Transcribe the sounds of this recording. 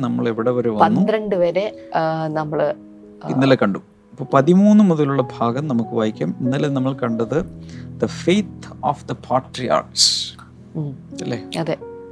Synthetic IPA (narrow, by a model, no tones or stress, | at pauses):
nɐmːɐɭe̞ʋiɽeoɾeʋɐpɐnːuiɾɐɳɖɨʋɐɾenɐmːɐɭ | ḭnːɐlekɐɳɖum | ipːopɐðimuːnːɨmuðɐluɭːɐbʱaːɡɐmnɐmukːɨʋɐːjikʲːɐminːɐlenɐmːɐɭkɐɳɖɐðɨd̪ɐfejt̪oːfd̪ɐpʰaːʈrija̰ːrks | ɐlːeːɐðe